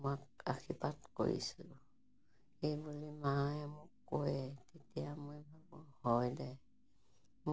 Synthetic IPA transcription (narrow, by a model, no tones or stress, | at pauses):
mak̚akʰipatko̰ɹḭsu | ejbulimajamʊkːojɛtetijamuibʱabuhɔjdɛ | m